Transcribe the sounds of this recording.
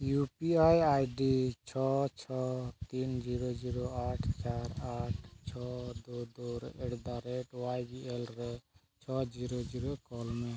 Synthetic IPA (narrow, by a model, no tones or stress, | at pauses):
jupiajajɖit͡ʃʰɔt͡ʃʰɔt̪ind͡ʒiɾod͡ʒiɾɔaʈʰt͡ʃaɾaʈʰt͡ʃʰɔd̪ud̪uɾʔɛɽd̪aɾɛʈwajɡiʔɛlɾɛ | t͡ʃʰɔd͡ʒiɾod͡ʒiɾokɔlmɛ